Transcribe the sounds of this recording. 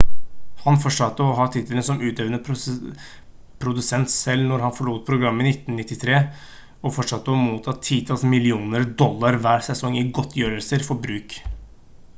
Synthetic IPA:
hɑnfɔʂɑt̪ːəɔɦɑːt̪ʰɪt̪ʰːələnsɔmʉːt̪eːʋənə | pʰɾʊd̪ʉsɛnt̪sɛlnɔɾhɑnfɔɭuːt̪̚pʰɾʊɡɾɑmːəɪnɪt̪ːnnɪt̪ːɪt̪ʰɾeː | ɔfɔʂɑt̪ːəɔmuːt̪ʰɑːt̪ʰiːt̪ʰɑːlsmɪlɪuːnəɾd̪ɔlːɑɾʋæːɾsɛsɔŋːɪɡɔt̪ʰːjøːɾəlsəɾfɔbɾʉːk

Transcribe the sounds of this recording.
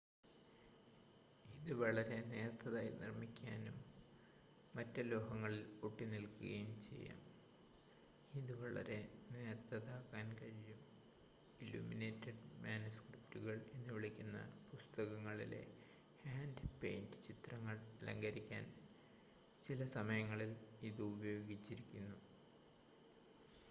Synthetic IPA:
iðɨʋɐɭɐɾe̞ne̞ːrt̪ːɐðaːjinirmikʲːaːnum | ɐtːɐlo̞ːɦɐŋːɐɭiloʈːinilkuɣɐjumt͡ɕe̞̰jːa̰ːm | iðɨʋɐɭɐ̰ɾe̞ne̞ːrt̪ʰːɐðaːkːaːnkɐɻijum | ilṵːmine̞ːtːɐɖmaːnuskriptuɣɐɭe̞nːɨʋiɭikʲːunːɐ̰pust̪ɐɣɐŋːɐɭḭle̞̰ | haːndpḛjndɨt͡ɕit̪rɐŋːɐɭɐlɐ̰ŋɡɐɾikʲːa̰ːn | t͡ɕilɐsɐmɐjɐŋːɐɭiliðɨubɐjoːɡit͡ɕːiɾikʲːunːu

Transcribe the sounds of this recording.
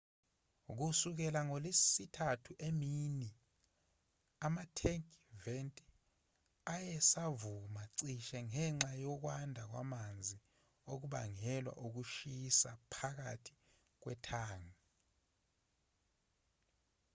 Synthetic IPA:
uk̬usuk̬ɛlaŋolesitʰatʰuʔemiːni | amatʰɛŋkʼventʼi | ajɛsavumaǀiʃɛŋɛŋ͡ǁajɔk̬wandʱak̬wa̰mand͡zʱi | ok̬uɓaŋɛlwa̰ʔuk̬uʃisapʰak̬atʰi̥ | k̬wɛ̰tʰaːŋa

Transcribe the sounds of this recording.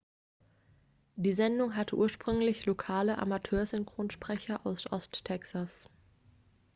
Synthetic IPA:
d̥iːzɛndʊŋɦatʰəʔuːɐʃpʁ̥ʏŋlɪçlokʰaːləʔa̰matʰøːɐzʏŋkʁ̥oːnʃpʁ̥ɛçɐʔaʊsʔɔstʰːɛksas

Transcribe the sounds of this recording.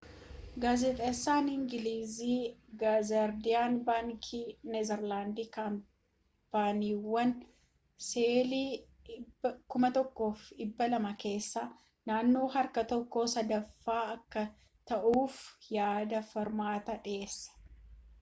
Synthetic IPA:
ɡaːzɛt̪ʼɐsːaːnɪŋɡɪliːziːɡazɐɾd̪ɪjaːnbaːŋkʰinɛzɛɾlaːnd̪ɪkaːm | paːniːwːɐn | seːliː | kʊmɐt̪ɔkːo̞ːfɪbːɐlɐmɐke̞ːsːa | naːnːo̞ːɦɐɾkɐt̪ɔkːo̞ːsɐd̪ɐfːaːɐkːɐ | t̪ɐʔuːfjaːd̪ɐfɐɾmaːt̪ɐᶑɪeːsːɐ̥

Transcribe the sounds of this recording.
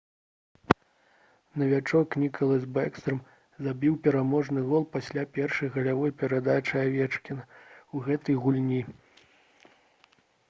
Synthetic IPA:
nɐvʲat͡ʂɔknʲikʰɐlˠɐzʲbɛkst̪ɾɨm | zabʲiwpʲɛɾamɔʐnɨɣɔlˠpasʲlʲapʲɛrʂɐjɣɐlʲavɔjpʲɛɾad̪at͡ʂɨavʲɛt͡ʂkʲinɐuɣɛt̪ɐjɣulʲnʲi

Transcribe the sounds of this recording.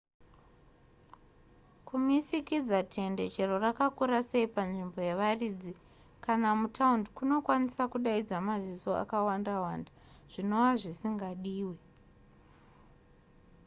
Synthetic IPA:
kumisikid͡zatʰe̞nde̞t͡ʃe̞ro̞rakakuɾase̞ipanʐimbo̞jeʋarid͡zi | kanamutʰaundkuno̞kwanisakuɗaid͡zamaziso̞a̰kawandawanda | ʐ̥ino̞waʐisiŋɡaɗiːwe

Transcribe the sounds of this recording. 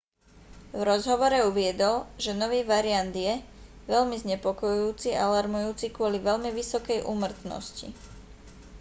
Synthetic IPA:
vɾɔzɦɔʋɔɾɛuʋɪɛd̪ɔlʒɛnɔʋiːʋaɾiand̪jɛ | ʋɛʎmizɲɛpɔkɔjuuːt͡sialaɾmujuːt͡sikʊɔliʋɛʎmiʋisɔkɛjʔṵmr̩t̪nɔ̰scḭ

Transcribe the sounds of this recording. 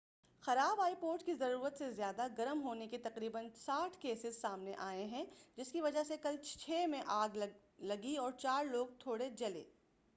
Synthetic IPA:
xɐɾaːbaːipoːɾʈkizɐɾuːɾət̪sezjaːd̪aɡɐɾəmɦoːneket̪ɐqɾiːbənsaːʈʰkeːsɪzsaːmneʔaːeɦɛ̃d͡ʒɪskiʋɐd͡ʒasekɐlt͡ʃʰeːmẽʔaːɡ | lɐɡiɔːɾt͡ʃaːɾloːɡ̚t̪ʰoːɽed͡ʒɐlḛː

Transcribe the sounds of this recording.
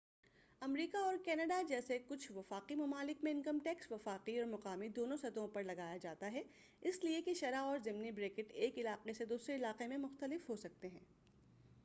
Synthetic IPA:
ɐmɾiːkaɔːɾkɛːnəɖad͡ʒɛːsekʊt͡ʃʰʋɐfaːqimɐmaːlɪkmẽɪ̃nkəmʈɛːksʋɐfaːqiɔːɾmɐqaːmid̪oːnõsɐt̪õpɐɾlɐɡaːjad͡ʒaːt̪aɦɛ | ɪsliekeʃɐɾaɔːɾzɪmnibɾeːkɪʈeːkɪlaːqesed̪uːsɾeɪlaːqemẽmʊxt̪əlɪfɦosɐk̚t̪eɦɛ̃ː

